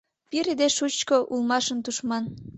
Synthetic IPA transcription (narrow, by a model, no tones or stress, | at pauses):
piɾed̪eʃut͡ɕkoʔulmɑʃənt̪uʃmɑn